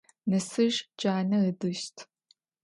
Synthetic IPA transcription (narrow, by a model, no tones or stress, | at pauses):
nɐsɨʒd͡ʒʼaːnɐədɨʃtʰ